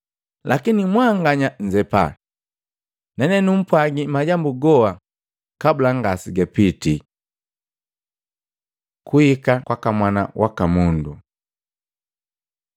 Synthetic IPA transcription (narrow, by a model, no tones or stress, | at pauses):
lʔakinimwaŋɡaɲaɲd͡ʒɛpa̰ | nɛnɛnum̩pwaɡimaɟambuɡɔa | kabulaŋɡasiɡɛpiti | kuhikakwakamwana̰wʔakamundu